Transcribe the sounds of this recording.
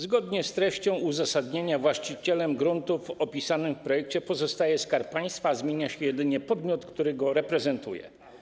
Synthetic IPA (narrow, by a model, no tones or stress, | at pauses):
zɡɔd̪ɲɛst̪ɾɛɕt͡ɕɔ̃w̃uzasad̪ɲeɲavwaɕt͡ɕit͡ɕɛlɛmɡɾunt̪ufɔpʲisanɘmfpɾɔjɛk̚t͡ɕɛpɔzɔst̪ajɛskaɾp̚pːaj̃st̪fazmʲjeɲaɕɛjɛd̪ɘɲɛpɔd̪mʲjɔt̪kt̪uɾɘɡɔɾɛpɾɛzɛnt̪ṵjɛ̰